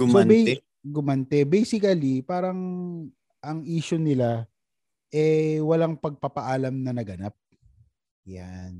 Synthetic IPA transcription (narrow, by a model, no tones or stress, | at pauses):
ɡʊmsobɛɛ | ɡʊmɐnt̪ɛbɛjsɪkɐlipaːɾɐŋ | ʔɐŋʔiːʃʊnɪla | ʔɛwɐlaŋpɐɡ̚papɐʔaːlɐmnɐnɐɡɐnap̚ | jan